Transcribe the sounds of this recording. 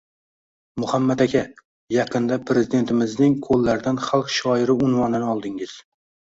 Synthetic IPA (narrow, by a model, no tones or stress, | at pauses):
mʊhamːat̪akʲʰa | jɑqʰɨnd̪apʰɾe̞zɪd̪e̞nt̪ʰɪmɪznɪŋkʰolːaɾd̪anχalˠqʃɒɪɾɪʊnvɒnɪnɪɒlˠd̪ɪŋɪz̥